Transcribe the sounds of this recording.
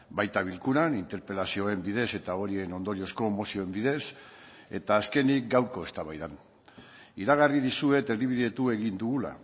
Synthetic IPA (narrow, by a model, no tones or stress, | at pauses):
bajt̪aβ̞ilkuɾanint̪e̞ɾpe̞lasio̞e̞mbiðe̞se̞t̪ao̞ɾie̞no̞nd̪o̞ɾio̞sko̞emo̞sio̞embiðe̞se̞̰t̪aːske̞nikɡawɾko̞e̞st̪aβajðan | iɾaɣ̞ariðisue̞t̪e̞ɾðiβ̞iðe̞t̪ue̞ɣind̪uɣula̰